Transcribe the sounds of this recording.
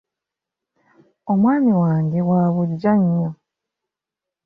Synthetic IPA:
o̞mwaːmiwaːŋɡewaːβuɟːaɲːa

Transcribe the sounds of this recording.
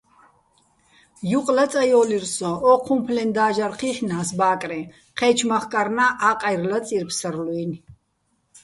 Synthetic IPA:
juqʼlat͡s̪ʼajɔliɾsɔɔqʰumpʰlɛnd̪aːʒaɾχiχnaːsbaːkʼɾɛ | qʰɛt͡ʃʰmaχkʼaɾnaʔaqʼajɾlat͡sʼiɾpʰsəɾluin

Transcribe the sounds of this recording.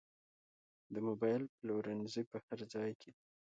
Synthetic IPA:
d̪əmobɑjlplowɾanzipəhaɾzɑjkʰe

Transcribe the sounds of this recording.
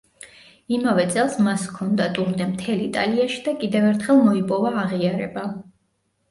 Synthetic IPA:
imavɛt̪sʼɛlˠsmaskʰɔnd̪at̪ʼuɾnd̪ɛmt̪ʰɛlit̪ʼa̰liaʃi̥d̪akʼid̪ɛvɛɾt̪ʰχɛlˠmɔipʼɔvaːʁiaɾɛba

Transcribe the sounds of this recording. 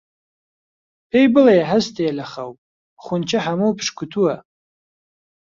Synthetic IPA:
ejbɨlajaħaztʰajalaχawpʼ | χʷʊnt͡ʃʰɪħamɨwpʰʂkʷʰʊtʰua

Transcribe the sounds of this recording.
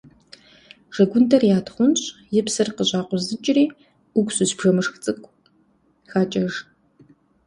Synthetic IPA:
ʒ̥ɐɡʷʊntʰɐrjaːtχʷʊnɕʼjɪpsɨrqəʑaːqʷʊzɨt͡ʃʼɪriː | ʊɡʷʼsʊɕbʒɐmɨʂxt͡sʼɨkʷʰʼ | xaːt͡ʃʼɐʒ

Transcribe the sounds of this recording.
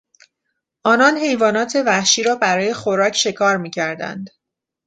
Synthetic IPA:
ʔɒːnɒnhe̞jvɒːnɒːt̪ʰe̞væhʃiːɾɒːbæɾɒːje̞xoɾɒːcʰʃe̞kʰɒːɾmiːcʰæɾd̪æ̰nd̪̥

